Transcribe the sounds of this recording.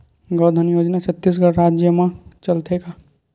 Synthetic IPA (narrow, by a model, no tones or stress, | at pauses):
ɡɔːd̪ʱənjoːd͡ʒnat͡ʃʰɐt̪ːis̬ɡəɽɾaːd͡ʒjəmãt͡ʃəlt̪ʰeka